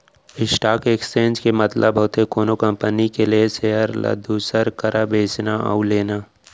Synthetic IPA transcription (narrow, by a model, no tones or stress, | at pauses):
ɪsʈaːkekst͡ʃẽːnd͡ʒkemɐt̪ləbʱəɦʊt̪ekoːnokɐ̃mpənikelieseəɾlə̰d̪ʱuːsəɾkəɾabeːt͡ʃnaa̰uleːnaː